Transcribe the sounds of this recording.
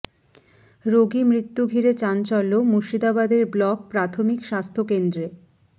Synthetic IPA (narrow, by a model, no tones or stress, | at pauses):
ɾoɡimɾit̪ːuɡʱiɾet͡ɕant͡ɕɔlːomuʃid̪abad̪eɾblɔk̚pɾat̪ʰomikʃast̪ʰokend̪ɾe